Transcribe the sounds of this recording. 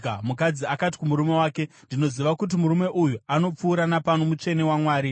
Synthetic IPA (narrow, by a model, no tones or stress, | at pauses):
amukad͡ziakat̬i̥kumuɾume̞waːke̞ndino̞ziʋakut̬imuɾume̞ʔujuano̞p͡fuːɾanapano̞mut͡ʃe̞ne̞wamwaːɾi